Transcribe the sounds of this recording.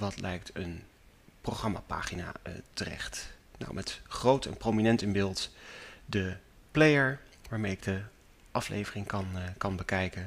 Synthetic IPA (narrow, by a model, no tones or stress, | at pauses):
ʋɑtlɛjk̚tən | proχrɑma̰ːpa̰ːχina̰ːə̰tərɛ̰χtna̰wmʔɛtχrowtʰɛ̰nprowminɛntənbɪːlˠtdə | plejəɹ | ʋaːɹmejɪɡ̚də | ʔɑflḛjvərɪŋkɑnkɑnbəkɛjkən